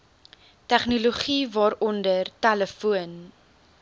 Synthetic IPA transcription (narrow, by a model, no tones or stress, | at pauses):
tæχnuluχivɑːɾɔndərtæləfuən